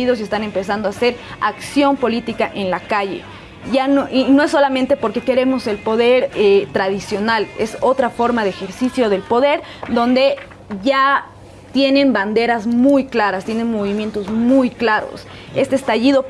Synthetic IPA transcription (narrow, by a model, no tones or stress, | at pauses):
iðo̞s̬ie̞st̪anempe̞sand̪oase̞ɾaksjo̞mpo̞lit̪ikaʔe̞nlakaʝe̞̰ | ʝanoʔino̞esːo̞lamẽ̞nt̪e̞po̞ɾke̞ke̞ɾe̞mo̞se̞lpo̞ðe̞ɾet̪ɾaðisjo̞nale̞̰so̞t̪ɾafo̞ɾmaðeexe̞ɾsisjo̞ð̞e̞lpo̞ðe̞ɾ | ðo̞nd̪e̞ | ʝa | t̪je̞nẽ̞mband̪e̞ɾazmujklaɾast̪je̞ne̞nmo̞β̞imjent̪o̞zmujklaɾo̞̰s | e̞st̪eːst̪aʝiðo̞